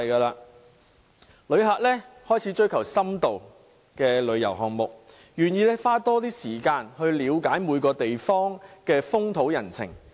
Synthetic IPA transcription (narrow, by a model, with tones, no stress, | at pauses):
jkaː˧laː˧ | lɵ˨˧ɥɦaː˨k̚lɛː˥hɔː˥jt͡sʰiː˨˥t͡ʃɵ˥ɥkʰɐ˨˩wsɐ˥mt̪o˨w | kɛː˧lɵ˨˧ɥjɐ̰˨˩wɦɔː˨ŋmʊ˨k̚ | jyː˨˩njiː˧lɛ˥faː˥t̪ɔː˥t̪iː˥siː˨˩kaː˧nhɵ˧ɥliː˨˧wkaː˨˥jmuː˨˧jkɔː˧t̪e˨jfɔː˥ŋkɛː˧fʊ˥ŋt̪ʰo˨˥wjɐ˨˩nt͡sʰɪ̰˨˩ŋ